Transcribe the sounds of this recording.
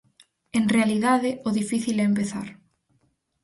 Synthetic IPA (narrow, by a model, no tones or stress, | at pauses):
eŋrealiðaðɪoðifiθilɛemp̬eθa̰ɾ